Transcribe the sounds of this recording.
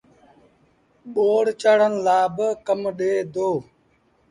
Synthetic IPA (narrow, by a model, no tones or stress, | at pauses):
ɓoːɽt͡ʃəɽənlaːbəkəmɗeːd̪oː